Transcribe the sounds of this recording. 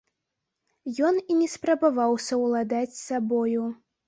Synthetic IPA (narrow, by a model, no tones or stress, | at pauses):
jɔninʲɛspɾɐbavawsʲɐwlˠad̪at͡sʲsabɔju